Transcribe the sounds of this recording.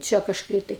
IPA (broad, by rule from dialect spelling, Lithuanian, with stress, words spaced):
ˈt͡ʃʲɛ kɐʃˈkɐɪ tɐɪ